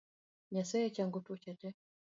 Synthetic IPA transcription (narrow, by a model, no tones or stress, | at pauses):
ɲasɛɛt͡ʃaŋɡutut͡ʃat͡ʃɛ